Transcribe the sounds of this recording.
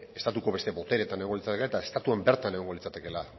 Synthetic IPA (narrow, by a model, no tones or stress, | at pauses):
e̞st̪at̪uko̞βest̪eβo̞t̪e̞ɾe̞t̪aneɣoŋɡolit͡sat̪ekelaet̪aest̪at̪uembe̞ɾt̪aneɣoŋɡo̞lit͡sat̪e̞ke̞la